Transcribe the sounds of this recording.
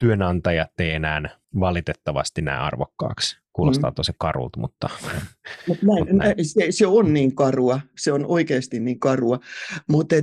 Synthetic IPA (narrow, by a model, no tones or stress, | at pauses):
t̪yønɑnt̪ɑjɑt̪ːeienæːn | ʋɑlit̪et̪ːɑʋɑ̰st̪inæ̰ːɑ̰rʋo̰kːɑ̰ːkskuːlost̪ɑ̰ːt̪ːosekkɑrṵlt̪mṵt̪ːɑ | mut̪næinnæseseonniːŋkɑruɑseonoikeːst̪inniːŋkɑruɑmut̪e